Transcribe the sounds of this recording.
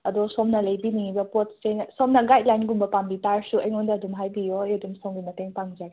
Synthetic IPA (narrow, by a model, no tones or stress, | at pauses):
ɐdɔsomnɐlɐjbinibɐpot̚sensomnɐɡajt̚lajnɡumbɐpambitaɾsuɐjŋondaɐdumɦajbijojodumsɔŋɡimɐteŋpaŋd͡ʒaj